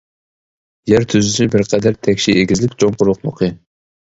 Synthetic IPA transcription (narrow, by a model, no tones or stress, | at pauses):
jæɾt̪ʰyzɪsɪbɪɾqʰɛd̪æɾt̪ʰɛkʲʃieɡʲɪzlɪkʲt͡ʃʰoŋqʊɾlˠʊqmoqʰɨ